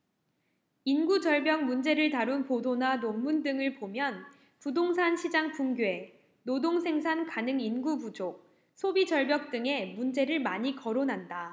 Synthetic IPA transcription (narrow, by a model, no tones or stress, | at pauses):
inɡud͡ʑʌɭbjʌŋ̚mund͡ʑe̞ɾɯɭtaɾunpodonanoŋmundɯŋɯɭpomjʌn | pudoŋsʰanɕʰid͡ʑaŋpumɡje̞ | nodoŋsʰe̞ŋsʰankanɯŋinɡubud͡ʑok̚ | sʰobid͡ʑʌɭbjʌk̚t͈ɯŋe̞mund͡ʑe̞ɾɯɭmaɲikʌɾonɦanda